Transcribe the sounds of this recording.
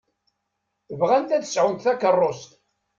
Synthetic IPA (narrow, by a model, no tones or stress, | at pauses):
əvʁænt̪æθə̥sʕʊnt̪θækːərˤːost̪